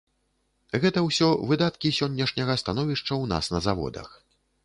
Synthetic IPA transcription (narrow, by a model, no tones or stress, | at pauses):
ɣɛt̪ɐwsʲɔvɨd̪at̪kʲisʲɔnʲːɐʂnʲɐɣɐst̪anɔvʲiʂt͡ʂɐwn̪a̰snɐzavɔ̰d̪ɐ̰x